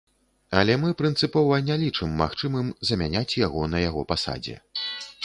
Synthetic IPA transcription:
ɐlʲɛmɨpɾɨnt̪sɨpɔvɐnʲalʲit͡ʂɨmːa̰xt͡ʂɨmɨmzɐmʲanʲat͡sʲjaɣɔnɐjaɣɔpasa̰d͡zʲɛ̰

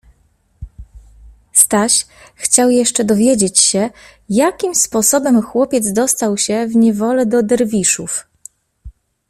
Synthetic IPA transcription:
st̪aɕ | xt͡ɕawjɛʂt͡ʂɛd̪ɔvʲjed͡ʑet͡ɕɕɛ | jakʲimspɔsɔbɛmxwɔpʲjɛd̪zd̪ɔst̪awɕɛvɲɛvɔlɛd̪ɔd̪ɛɾvʲiʂuf

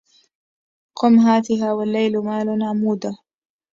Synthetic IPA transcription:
qʊmɦaːt̪ɪɦaːwalːajlmaːlʊmaʕmuːd̪a

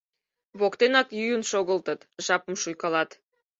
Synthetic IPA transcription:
βokt̪enɑkjyjənʃoɣəlt̪ət̪ʒɑpəmʃujkɑlɑt̪

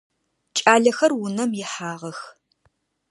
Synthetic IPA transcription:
t͡ʃʼaːɮɐxɐrwʊnɐmjɪħaːʁɐx

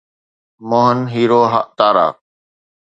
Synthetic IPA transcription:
moːɦənɦiːɾoːɦə̰ʔt̪aːɾa̰ː

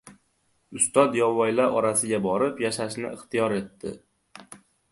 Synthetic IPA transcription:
ʊst̪ɒd̪jɒvɒjlaɾʔɒɾasɪɡʲabɒɾɪpjaʃaʃnɪ̰ʔɪχt̪ɪjɒɾe̞t̪ːɪ̰

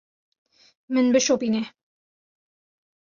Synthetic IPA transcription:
mɨnbɨʃopine

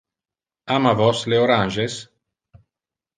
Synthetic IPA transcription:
amavɔsleoɾanʒes

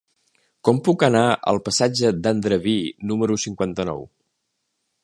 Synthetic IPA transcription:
kɔmpukənaʔə̰lˠpəsad͡ʒəd̪and̪ɾəβinuməɾusiŋkwant̪ənɔ̰w

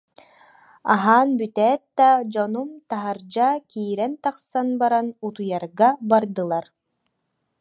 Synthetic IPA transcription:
a̰ɦaːnbyt̪ɛːt̪̚d̪ad͡ʑɔnumt̪aɦaɾd͡ʑakiːɾɛnt̪aqsanbaɾanut̪ujaɾɡabaɾd̪ɯlˠaɾ

